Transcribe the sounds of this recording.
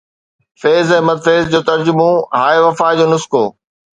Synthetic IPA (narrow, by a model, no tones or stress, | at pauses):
feːzɛ̃ɦmɐd̪feːzd͡ʑoːt̪ɐɾd͡ʑʊmõɦaːeʋɐfaːd͡ʑoːnʊskoː